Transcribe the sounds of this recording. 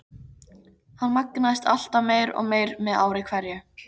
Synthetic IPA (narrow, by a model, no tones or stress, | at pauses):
hanːmaknaðɪst̪a̰l̥t̪ameːjɾɔ̰ɣmeːjɾmɛðaːwɾɪkʰvɛɾjʏ